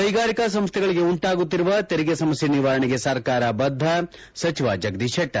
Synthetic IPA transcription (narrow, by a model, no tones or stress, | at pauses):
ɐjɡaːɾikɐs̬ɐmst̪ʰɛɡɐɭiɡeuɳʈaːɡut̪ːiɾuʋɐt̪eɾiɡesɐmɐsjɐniʋaːɾɐɳiɡesɐɾkaːɾɐbɐd̪ʱːɐ | sɐt͡ʃiʋaːd͡ʒɐɡd̪iʃʰɐʈːɐ